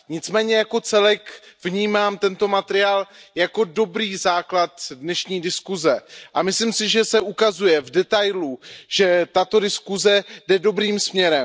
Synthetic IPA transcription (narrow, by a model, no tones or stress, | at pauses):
ɲɪt͡smɛːɲɛjako̞t͡sɛlɛkvɲiːmaːmt̪ɛnt̪o̞mat̪ɛɾɪaːljako̞do̞bɾiːzaːklat̪dnɛʃɲiːdɪskuzɛʔamɪslimsɪʒɛsɛʔukazujɛvdɛt̪ajluʒ̥ɛt̪at̪o̞dɪskuzɛdɛdo̞bɾiːmsmɲɛɾɛm